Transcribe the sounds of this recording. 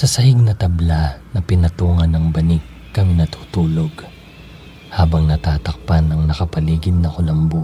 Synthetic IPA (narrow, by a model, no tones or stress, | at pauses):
sɐsɐhɪɡ̚nɐt̪ɐblanɐpɪnɐt̪uːŋɐnɐŋbɐnɪkːɐminɐt̪ʰu̥ːt̪uːloɡ | haːbɐŋnɐt̪aːt̪ɐk̚panɐŋnɐkɐpɐliːɡɪnːɐkʊlɐmbuː